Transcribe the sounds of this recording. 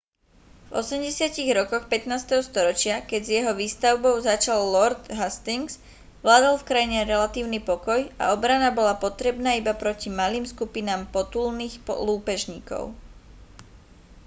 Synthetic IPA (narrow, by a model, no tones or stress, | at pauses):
vɔ̰sɛmɟɛsɪaciɣɾɔkɔxpɛt̪naːst̪ɛɦɔst̪ɔɾɔt͡ʃɪakɛɟzjɛɦɔʋiːst̪aʊbɔʊzat͡ʃalːɔɾd̪ɦast̪iŋz̥ | ʋlaːd̪alfkɾajɲɛɾɛlat̪iːʊnipɔkɔja̰ɔbɾanabɔlapɔt̪ɾɛbnaːibapɾɔcimaliːmskupinaːmpɔt̪ulniːxpɔ̰luːpɛʒɲiːkɔ̰ʊ